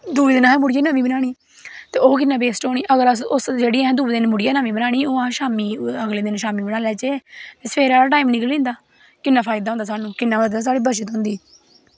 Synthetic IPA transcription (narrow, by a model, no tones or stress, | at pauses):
d̪uːeːd̪ɪnaːɛ̃mʊɽɪjãːnaːmiːbənaːɽ̃iː | t̪eːoːk̬ɪnːãːbeːsʈoːɽ̃iːʔəɡəɾsʊsd͡ʒeːɽiːɛ̃ːd̪uːeːd̪ɪnmʊɽɪjãːnãːmĩːbənaːɽ̃iːoːãːʃaːmiːəɡleːd̪ɪnʃaːmiːbənaːlɛːt͡ʃeːt̪eːsəpʰeːɾaːɽaːʈaːiːmnɪkəlẽːnd̪aː | kɪnːaːpʰaːɪd̪aːɦʊ̃ːnd̪aːs̬aːnũːkɪnːãːʋəaːs̬aːɽiːbəʃət̪ɦõːnd̪iː